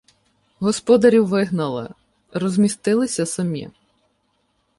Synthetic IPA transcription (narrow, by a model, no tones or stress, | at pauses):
ɦɔspɔd̪ɐɾʲiwʋɪɦnɐlˠɪ̰ | rɔzʲmʲist̪ɪlˠɪsʲɐsɔmʲḭ